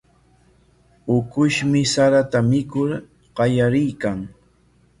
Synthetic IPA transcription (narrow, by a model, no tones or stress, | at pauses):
ʊkʊʃmɪsaɾat̪amɪkʊɾ | ɢ̥ɑjaɾɪjkaŋ